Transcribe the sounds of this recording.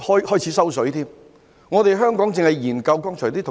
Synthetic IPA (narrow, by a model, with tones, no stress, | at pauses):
hɔː˥jhɔː˥jt͡sʰiː˨˥sɐ˥wsɵ˨˥ɥt̪ʰiː˥m | ŋɔː˨˧t̪e˨jɦœː˥ŋkɔː˨˥ŋt͡sɪ˨ŋhɐ˨jjiː˨˩nkɐ˧wkɔː˥ŋt͡ʃʰɔ˨˩t̪i˥t̪ʰʊ˨